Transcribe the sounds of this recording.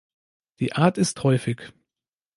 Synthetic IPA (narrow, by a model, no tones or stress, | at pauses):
d̥iːʔaːɐtɪsthɔʏfɪç